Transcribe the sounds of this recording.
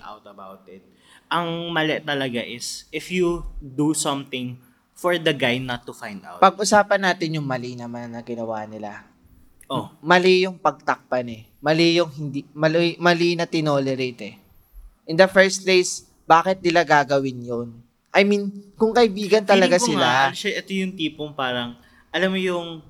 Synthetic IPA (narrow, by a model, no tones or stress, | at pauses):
a̰wt̪ɐba̰wt̪ɪt̪̚ | ʔɐŋmɐlɛt̪ɐlɐɡaʔɪsɪfjud̪usɐ̃mt̪ɪ̃ŋ | fɔɹd̪ɐɡajnɐt̪ːufãjnd̪a̰wpɐɡ̚ʔʊsaːpɐnːaːt̪ɪnjʊŋmɐlinɐmannːɐŋɡɪnɐwaːʔnɪla̰ | ʔomɐlɪjʊŋpɐɡ̚t̪ɐk̚panɛ | mɐlɪjʊŋɦɪnd̪imɐlimɐlinɐt̪ɪnoːlɛɾejt̪ɛ | ʔɪnd̪ɐfɛɹst̪̚plejs | b̥aːkɪt̪̚nɪlaɡaːɡɐwɪnjon | ʔɐjminkʊŋkɐʔɪbiːɡɐnt̪ɐlɐɡasɪlaɐnʃɐʔɛt̪ojʊŋt̪iːpoŋpaːɾɐŋ | ʔɐlamːojʊŋ